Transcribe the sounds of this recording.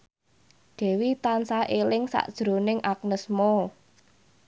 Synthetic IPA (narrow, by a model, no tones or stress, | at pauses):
d̪̥ɛ̤wit̪ansaʔelɪŋsa̰ʔd̥ʒ̥ɾo̤nɪŋʔak̚nəsmo